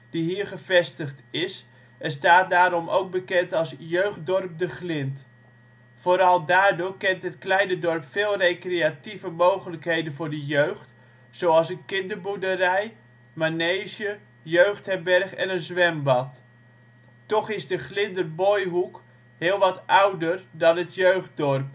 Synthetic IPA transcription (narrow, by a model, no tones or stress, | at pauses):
d̥iɦiːrχəvɛstəχtɪs | ɛnstaːt̚daːɾɔmʔo̰wk̚bəkɛntɑlˠsjøɥχt̚dɔrp̚dəχlɪnt | foːɾɑlˠdaːrdʊːrkɛntɦətklɛjnədɔrpfɪːlˠrejkreativəmowχələkɦejdənvʊːrdəjøɥχt | sowɑlˠsənkɪndərbudərɛj | manejsjə | jøɥxthɛrbɛrχɛ̰nənzʋɛmbɑt | tɔχɪzdəχlɪndərbojɦuk | hɪːlˠʋɑtʔawdərdɑnətjøɥχ̚dɔrp